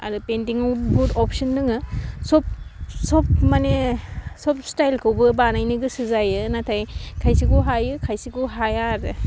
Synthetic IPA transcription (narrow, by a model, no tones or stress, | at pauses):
a̰ɾɯpentiŋawbutɔpʰsɯndɯŋɯsɔp̚sɔp̚manesɔpstajlkʰɯwbɯbanajnɯɡɯsɯzajɯnatʰajkʰajsikuɦajɯkʰajsikuɦajaɾɯ